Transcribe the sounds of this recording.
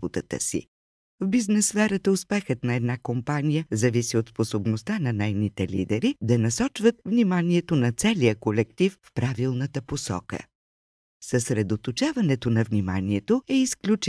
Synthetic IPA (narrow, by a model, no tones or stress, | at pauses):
ot̪ət̪ə̰sḭ | vbiznɛsfɛɾət̪əʊspɛxət̪nɐɛd̪nakompanijəzɐvisiot̪sposobnost̪anɐnɛjnit̪ɛlḭd̪ɛɾid̪ɐnɐsɔt͡ʃvət̪̚vnimaniɛt̪onɐt̪sɛlijəkolɛk̚t̪ifːpɾavilˠnət̪əposɔ̰kə̰ | səsɾɛd̪ot̪ot͡ʃavɐnɛt̪onɐvnima̰niɛt̪oɛisklʲut͡ʃ